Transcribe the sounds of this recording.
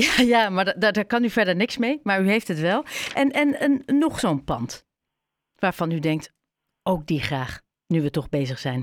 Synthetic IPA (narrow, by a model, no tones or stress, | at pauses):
jajaːmaːɹddɛɹdɛɹkɑnyvɛɹdəɹnɪksmejmaːɹyɦejftɦətʋɛlˠʔɛnɛnənːɔχsownplɑ̰nt | ʋaːɹv̥ɑnydɛŋk̚t | owk̚diχraːχ | nyʋətɔχbejzəχsɛjn